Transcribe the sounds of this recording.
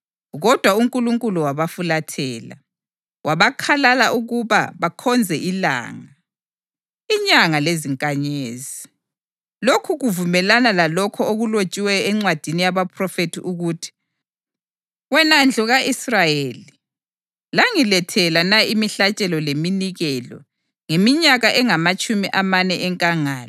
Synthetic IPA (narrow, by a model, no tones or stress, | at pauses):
ɣɔd̥ʱwauŋkʼuluŋkʼuluwaβafulatʰɛːla̰ | waβakʰalalaʔuɣuβa̰βakʰɔnd͡zʱɛʔila̰ːŋa | iɲaŋaleziŋkʼaɲeːzi | lokʰuɣuvumɛlanalalɔkʰɔoɣulot͡ʃʼiwɛɛŋ͡ǀwad̥ʱinijaβapʰrɔfetʰiʔuɣuːtʰi̥ | wɛnand͡ɮʱɔɣaʔisrajeːli | laŋilɛtʰɛlanaimiɬat͡ʃʼɛlɔleminiɣɛlɔ̰ | ŋemiɲaɣaʔɛŋamat͡ʃʼumiʔamanɛʔɛŋkʼaŋaːla